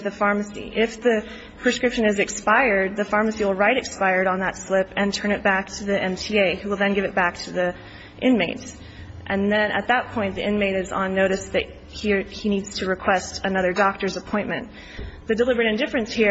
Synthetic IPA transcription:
ðɨfɑɹmɨsḭʔɪfðɨ | pʰɹ̥ɨskɹɪpʃɨ̃nɨzɨkspaɪə˞d̪̚ðɨfɑɹmɨsiwəl̩ˠɹaɪɾɨkspaɪə˞ɾn̩ðətslɪpɨ̃ntʰɜ̃˞ñɨt̚b̥æk̚tʰɨðiʔɛ̃mtʰieɪhuwəl̩ˠðɨ̃nɡɪvɨt̚b̥æk̚tʰɨði | ʔɪ̃nmeɪts | ʔɨ̃nðɨ̃nɨ̰t̪̚ðət̚pʰɔ̃ɪ̃nðḭʔɪ̃nmeɪɾɨzn̩noʊɾɨsðɨ̰t̚ | hihinidz̥tʰɨɹɨkʰw̥ɛstɨnʌðə˞dɑk̚tə˞zəpʰɔ̃ɪ̃nmɨ̃n | ðɨdəlɪbə˞ɨɾɨ̃ŋdɪfɹɨ̃nshi

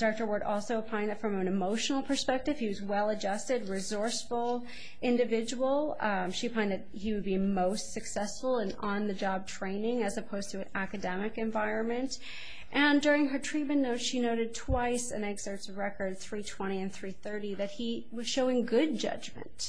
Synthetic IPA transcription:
d̥ɑk̚tə˞wə˞ɾʔɔ̰lˠsoʊpʰãɪ̃nðɨtfɹʌ̃mɨ̃nɨmoʊʃn̩l̩ˠpʰə˞spɛk̚tɨv̥hiwʌzwɛlˠɨd͡ʒʌstɨd̚ɹɨzɔɹsfl̩ˠ | ʔɪ̃ndɨvɪd͡ʒəwl̩ˠʃifʰãɪ̃nðɨt̚hiwɨd̚bimoʊstsɨksɛsfl̩ˠə̃nə̃nðɨd͡ʒɑb̚tʰɹ̥ẽɪ̃nɪ̃ŋɨzɨpʰoʊz̥tʰɨɨækɨdɛmɨkɨ̃ɱvaɪɹɨ̃nmɨ̃nt | ʔɨ̃ndʊɹɪ̃ŋə˞tʰɹ̥it̚mɨ̃nːoʊtʃinoʊɾɨd̚tʰw̥aɪsɨ̰̃nɛɡz̥ə˞tsɹɛkə˞d̪̚θɹitʰw̥ɛ̃ɾ̃iɨ̃nθɹiθɜ˞ɾiðɨt̚hi | wʌz̥ʃoʊɪ̃ŋɡʊd̚d͡ʒʌ̰d͡ʒmɨ̰̃nt

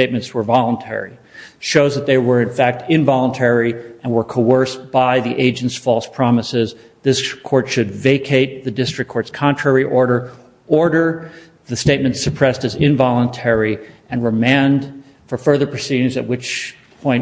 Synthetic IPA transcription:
eɪt̚mɨ̃ntswə˞vɑlˠə̃ntʰɛ̰ɹḭʃoʊzðɨt̪̚ðeɪwə˞ɨ̃nfæk̚tʰɪ̃nvɑlˠə̃ntʰɛɹiɨ̃nwə˞kʰoʊɜ˞sb̥aɪðiʔeɪd͡ʒɨ̃n̩tsfɔlˠspʰɹ̥ɑməsɪz | ðɪskʰɔɹtʃɨdveɪkʰeɪt̪̚ðɨdɪstɹ̥ɨk̚ʰːɔɹtskʰɑ̃ntʰɹ̥ɛɹiʔɔɹɾə˞ | ɔɹɾə˞ | ðɨsteɪt̚mɨ̃n̩tsɨpʰɹ̥ɛstɨzɪ̃ɱvɑlˠə̃ntʰɛɹiɨ̃nɹɨmæ̃nd̥ | fə˞fɜ˞ðə˞pʰɹ̥ɨsiɾɪ̃ŋzɨ̰t̚wɨt͡ʃ | pʰɔ̃ɪ̃n

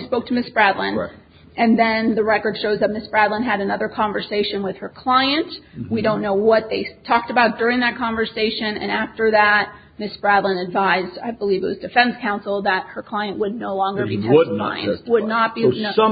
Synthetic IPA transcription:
spoʊk̚tʰɨmɪsb̥ɹædˡlə̰̃n | ʔɨ̃nðɨ̃nðɨɹɛkə˞d̥ʃoʊzðɨt̚mɪsb̥ɹædˡlˠə̃nɨɾɨnʌðə˞kʰɑ̃ɱvə˞seɪʃɨ̃nwɨð̥ə˞kʰl̥aɪɨ̃ntwidõʊ̃nːoʊwʌt̪̚ðeɪtʰɔk̚tɨbaʊt̚d̥ʊɹɪ̃ŋðɨt̚kʰɑ̃ɱvə˞seɪʃɨ̃nɨ̰̃næftə˞ðæt̚ | mɪsb̥ɹædˡlə̃nɨdvaɪzda̰ɪbəlivɨt̚wʌzdɨfɛ̃nskʰãʊ̃nsl̩ˠðət̚hə˞kʰl̥aɪɨ̃nʔwədⁿnoʊlɔ̃ŋɡə˞bitʰɛã̰ɪ̃wədⁿnət̚b̥i

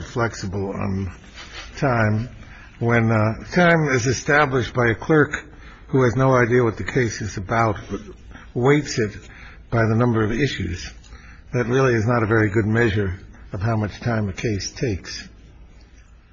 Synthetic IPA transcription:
flɛksəbl̩ˠə̰̃n | tʰãɪ̃m | wɨ̃ntʰãɪ̃mɪzɨstæblɨʃtb̥aɪɨkʰl̥ɜ˞k | huɨznoʊaɪdiɨwʌt̪̚ðɨkʰeɪsɨzɨbaʊt̚b̥ʌt̚ | weɪtsɨt̚ | b̥aɪðɨnʌ̃mbə˞ʌvɪʃʉ̰z̥ | ðɨt̚ɹɪlˠiɨznəɾɨvɛɹiɡʊd̚mɛʒə˞ʌv̥ɦaʊmʌt͡ʃtʰãɪ̃mɨkʰeɪstʰeɪks

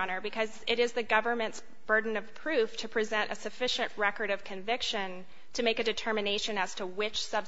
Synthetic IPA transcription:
nə˞bɨkʰʌzɪɾɪzðɨɡʌvə˞mɨ̃nts | b̥ɜ˞dⁿn̩ʌv̥pʰɹ̥ʉftʰɨpʰɹ̥izɛ̃ntʔɨ̰sɨfɪʃɨ̃nʔɹɛkə˞ɾʌv̥kʰɨ̃ɱvɪkʃɨ̃n | tʰɨmeɪkɨdɨtʰɜ˞mɨneɪʃɨ̃nɨz̥tʰəwɪt͡ʃsʌb

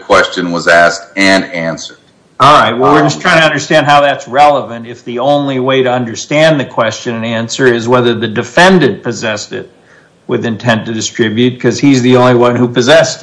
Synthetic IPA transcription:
kʰw̥ɛst͡ʃɨ̃nwʌzæstɨ̃næ̃nsə˞d̥ | ɹaɪt̚wɛlˠwɪɹd͡ʒʌstʰɹ̥aɪ̃ŋtʰɨʌ̃ndə˞stæ̃nd̚ɦaʊðætsɹɛlˠəvɨ̃ntɨfðiõʊ̃nliweɪɾɨʌ̃ndə˞stæ̃nðɨkʰw̥ɛst͡ʃɨ̃nɨ̃næ̃nsə˞ɪzwɛðə˞ðɨdɨfɛ̃ndɨ̃npɨzɛsɪ̰t̚ | wɪðɨ̃ntʰɛ̃ntɨdɨstɹ̥ɪbjʉt̚kʰʌz̥izðiõʊ̃nliwʌ̃nhupɨzɛs

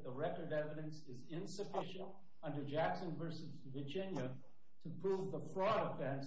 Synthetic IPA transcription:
ðəɹɛkə˞dɛvɨɾɨ̃nsɪzɪ̃nsɨfɪʃɨ̃nt | ʌ̃ndə˞d͡ʒæksʉnəvə˞sɨɾivɨd͡ʒɪ̃njɨ | ɾʰɨpʰɹ̥uvðəfɹɔɾəfɛ̃ns

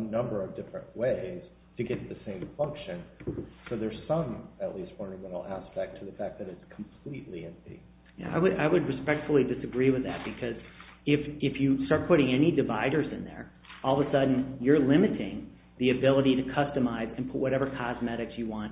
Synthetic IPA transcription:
nʌ̃mbə˞ʌvdɪfɹɨ̰̃nʔweɪz̥ | tʰɨɡɛt̪̚ðɨsẽɪ̃ɱfʌ̃ŋkʃɨ̃nsoʊðə˞z̥sʌ̃mɨʔˡlistfə˞nəmɛ̃ñl̩ˠæspɛk̚tʰɨðəfæk̚ðɨɾɨtskʰm̩pʰl̥iʔˡliɪ̃mḭ | jæ̰a̰ɪwɨɾʔaɪwɨd̚ɹɨspɛk̚tfl̩ˠidɨsɨɡɹiwɨðæ̰t̚b̥ɨkʰʌzɪfɪfjɨstɑɹt̚pʰʊɾɪ̃ŋɛnidɨvaɪɾə˞zɨ̰̃nðə̰˞ | ɔlˠðəsʌdⁿn̩jə˞lɪ̃mɨɾɪ̃ŋ | ðiɨbɪlˠəɾiɾɨkʰʌstɨmaɪzɨ̃npʰʊt̚wʌɾɛvə˞kʰɑzmɛɾɨksjɨwɑ̃nt

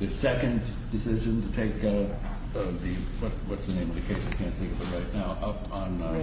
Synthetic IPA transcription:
ðɨsɛkɨ̃n | dɨsɪʒɨ̃ntɨtʰeɪkaʊt̪̚ | ʌðɨwʌt̚wʌtsðɨnẽɪ̃mʌvðɨkʰeɪsɨt̚kʰæ̃nθɪ̃ŋkʌvɨt̚ɹaɪtⁿnaʊʔʌp | n̩

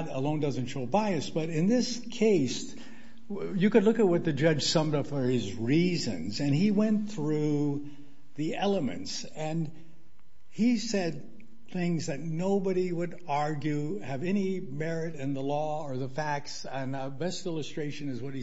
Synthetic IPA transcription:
ɾəlõʊ̃ndʌzɨ̃n̩tʃoʊbaɪɨsb̥ʌɾɨ̃nðɪskʰeɪs | jɨkɨdˡlʊkɨt̚wʌt̪̚ðɨd͡ʒʌ̥ʒ̥sʌ̃mdəfə˞ɪzɹizɨ̰̃nzɨ̃niwɛ̃nθɹu | ðiɛlˠəmɨ̰̃nts | ɨ̃n | isɛd̪̚ | θɪ̃ŋzðɨtⁿnoʊbɨɾiwəɾ | ɑɹɡjʉɨvɛñi | mɛɹɪɾɨ̃nðəlɔə˞ðəfæk̚ts | ɨ̃n | bɛstɪlˠəstɹ̥eɪʃɨ̃nɨzwʌt̚hi

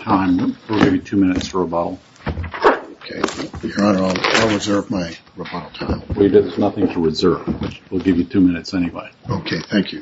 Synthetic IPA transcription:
tʰãɪ̃mwilˠɡɪvjɨtʰʉmɪ̃nɨtsfə˞əbɑɾl̩ˠ | oʊkʰeɪə˞ãnə˞ɔ̃lˠaɪlˠɹɨzɜ˞vmaɪɹobɑɾl̩ˠtʰã̰ɪ̃mwɛlˠjɨdɨðə˞znʌθɪ̃ŋtʰəɹɨzɜ˞vʌt͡ʃwilˠɡɪvjɨtʰʉmɪ̃ñɨtsɛniwḛɪoʊkʰeɪθæ̃ŋkʰjʉ

